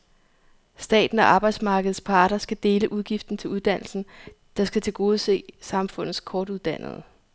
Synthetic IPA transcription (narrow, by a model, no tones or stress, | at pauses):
sd̥ɛ̰ːd̥n̩ɒ̽ʔɑ̈ːb̥ɑ̈ɪd̥smɑ̈ːɡ̥əð̩ˠspʰɑ̈ːɾ̥ɐsɡ̥æd̥e̝ːləʔuð̞ˠɡ̥ifd̥n̩t͡sʰe̝luð̞ˠd̥æn̰l̩sn̩ | d̥ɑ̈sɡ̥æt͡sʰe̝lɡ̥o̝ːð̞̩ˠse̝̰ːsɑ̈mfɔ̽n̰ð̩ˠskʰɒːd̥uðˠd̥æn̰ð̩ˠ